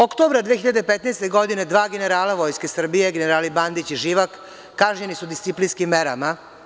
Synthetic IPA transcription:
okt̪oːbɾad̪ʋeːxiʎad̪epet̪nɛːst̪e̞ɡo̞d̪ine̞d̪ʋaːɡeneɾaːlaʋo̞jskesr̩bije̞ɡeneɾaːliband̪it͡ɕiʒiːʋakː | aʒɲenisud̪ist̪siplinskimːeɾa̰ma

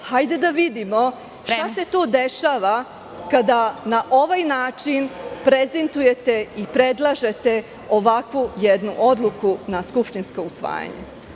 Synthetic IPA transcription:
hajd̪e̞d̪aʋid̪imo̞ | ʃt̪ase̞t̪oːd̪e̞ʃaʋa | kad̪anaʔo̞ʋajnaːt͡ʂinpɾeze̞nt̪uje̞t̪e̞ipɾe̞d̪lˠaʒe̞t̪e̞ | o̞ʋakʋujed̪nuʔo̞d̪lukunaskupʃt̪inskousʋa̰ːja̰ɲḛ

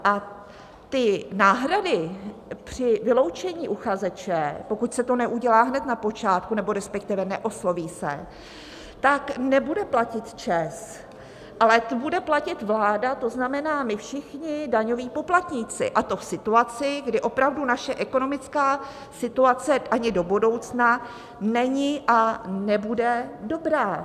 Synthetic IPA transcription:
ʔa | t̪ɪnaːɦɾadɪpr̝̥ɪvɪlo̞wt͡ʃɛɲiːʔuxazɛt͡ʃɛpo̞kucsɛt̪o̞nɛʔuɟɛlaːɦnɛt̪napo̞t͡ʃaːt̪̚kunɛbo̞ɾɛspɛk̚t̪ɪvɛnɛʔo̞slo̞viːsɛ̰ | t̪aknɛbudɛplacɪt̪t͡ʃɛs | ʔalɛbudɛplacɪt̪vlaːdat̪o̞znamɛnaːmɪfʃɪxɲɪdaɲo̞viːpo̞plat̪ɲɪt͡sɪ̰ʔat̪o̞fsɪt̪uat͡sɪɡdɪʔo̞pɾavdunaʃɛʔɛko̞no̞mɪt͡skaː | sɪt̪uat͡sɛʔaɲɪdo̞budo̞wt͡sna | nɛɲɪʔanɛbudɛdo̞bɾaː

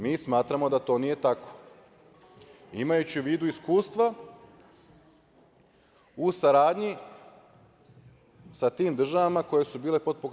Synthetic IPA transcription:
miːsmaːt̪ɾamo̞d̪at̪o̞ːnije̞t̪ako̞̥ | ḭmajut͡ɕiʋiːd̪uiskuːst̪ʋa | usaɾaːd̪ɲi | sat̪iːmd̪r̩ʒaʋamako̞je̞subiːle̞po̞d̪̚po̞k

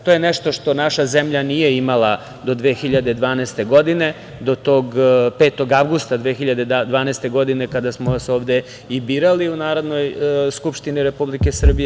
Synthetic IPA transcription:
t̪ojeneʃt̪o̞ʂt̪o̞naʃazemʎanije̞imalˠa | d̪o̞d̪ʋeːxiʎad̪e̞d̪ʋaːnɛːst̪e̞ɡo̞d̪ine̞ | d̪o̞t̪o̞ːɡpeːt̪o̞ɡaʋɡust̪ad̪ʋeːxiʎad̪e̞d̪ʋaːnest̪e̞ɡo̞d̪ine̞kad̪asmoasoːʋd̪e | ibiːɾaliunaːɾo̞d̪no̞jskupʃt̪iniɾe̞publike̞sr̩bije

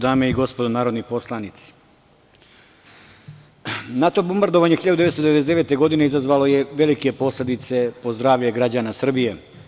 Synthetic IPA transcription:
d̪aːme̞iɡo̞spo̞d̪onaːɾo̞d̪nipo̞slˠanit̪si̥ | nat̪o̞bombaɾd̪oʋaːɲexiʎad̪ud̪eest̪d̪eʋ̪esd̪eʋe̞t̪e̞ɡo̞d̪ine̞izazʋaːlo̞je̞ʋe̞like̞po̞slʲe̞d̪it̪se̞po̞zd̪ɾaːʋʎeɡɾad͡ʑaːnasr̩bije

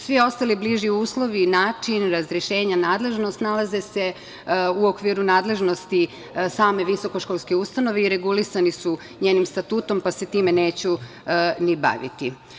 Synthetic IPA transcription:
sʋio̞st̪alibliʒiuːslˠo̞ʋinaːt͡ʃinɾazɾeʃeːɲanaːd̪le̞ʒnost̪nalaze̞se̞ | uokʋiːɾunaːd̪le̞ʒno̞st̪i | saːme̞ʋiso̞koʃkolskeust̪ano̞ʋeiɾe̞ɡulisanisu | ɲeːnimst̪at̪uːt̪o̞mpase̞t̪iːmene̞ːt͡ɕu | niba̰ʋḭt̪i

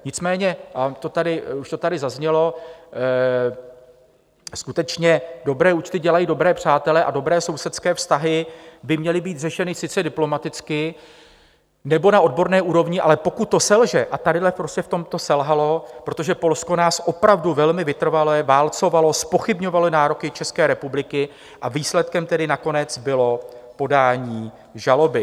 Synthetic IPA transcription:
ɲɪt͡smɛːɲɛat̪ot̪adɪuʃt̪o̞t̪adɪzazɲɛlo̞ | skut̪ɛt͡ʃɲɛdo̞bɾɛːut͡ʃt̪ɪɟɛlajiːdo̞bɾɛːpr̝̥aːt̪ɛlɛʔado̞bɾɛːso̞wsɛt̪skɛːfst̪aɦɪbɪmɲɛlɪbiːt̪r̝ɛʃɛnɪsɪt͡sɛdɪplo̞mat̪ɪt͡skɪ | nɛbo̞naʔo̞d̚bo̞ɾnɛːʔuːɾo̞vɲɪʔa̰lɛpo̞kut̪̚ːo̞sɛlʒɛʔat̪adɪdlɛpɾoscɛft̪o̞mt̪o̞sɛlɦalo̞pɾo̞t̪o̞ʒɛpo̞lsko̞naːsʔo̞pɾavduvɛlmɪvɪt̪r̩valɛvaːlt͡so̞valo̞spo̞xɪbɲo̞valonaːɾo̞kɪt͡ʃɛskɛːɾɛpublɪkɪ | ʔaviːslɛt̪̚kɛmt̪ɛdɪnako̞nɛt͡sbɪlo̞po̞daːɲiː | ʒalo̞bɪ

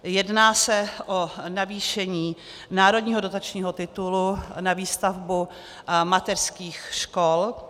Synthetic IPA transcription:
jɛdnaːsɛʔonaviːʃɛɲiː | naːɾodɲiːɦodot̪at͡ʃɲiːɦot̪ɪt̪ulunaviːst̪avbu | mat̪ɛrskiːxʃkol

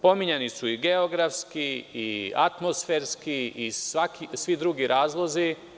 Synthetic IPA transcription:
po̞miɲenisuiɡe̞oɡɾafskiia̰t̪mosfeːɾskiisʋakisʋid̪ɾuɡiɾʔaːzlˠo̞zi

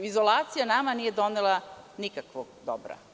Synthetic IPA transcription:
izolˠaːt̪sijanamanijed̪onelˠanikakʋoɡd̪o̰bɾa̰

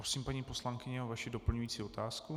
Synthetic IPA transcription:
ɾosiːmpaɲiːpo̞slaŋkɪɲɛovaʃɪdo̞pl̩ɲujiːt͡siːo̞t̪aːsku

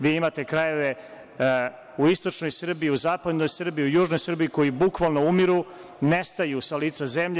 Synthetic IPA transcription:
ʋiːimat̪ekɾaje̞ʋe | uist̪ot͡ʃnojisr̩biiuzaːpad̪no̞jsr̩biiujuːʒno̞jsr̩biiko̞jibukʋalˠno̞umiɾu | nest̪ajusaliːt̪sazemʎ

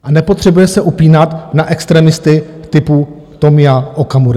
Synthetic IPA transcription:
ʔanɛpo̞t̪r̝̥ɛbujɛsɛʔupiːnat̪naʔɛkst̪ɾɛːmɪst̪ɪ | t̪ɪpu | t̪omɪjaʔokamuɾa

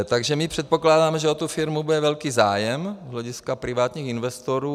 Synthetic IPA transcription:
t̪aɡʒɛmɪpr̥ɛt̪̚po̞klaːdaːmɛʒɛot̪ufɪɾmubudɛvɛlkiːzaːjɛmzɦlɛɟɪskapɾɪvaːt̪ɲiːxɪnvɛst̪oɾuː

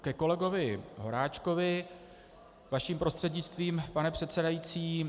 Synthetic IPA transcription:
kɛko̞lɛɡo̞vɪɦo̞ɾaːt͡ʃko̞vɪ | vaʃiːmpɾo̞st̪r̥ɛdɲɪt͡st̪viːmpanɛpr̥ɛt̪sɛdajit͡siː

